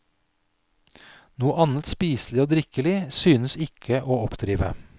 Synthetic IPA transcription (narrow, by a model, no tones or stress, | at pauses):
nuːəʔɑnət̪spiːslɪoːd̪ɾɪkəlɪsyːnəsɪkʰəʔoːɔpd̪̥ɾiːʋə̰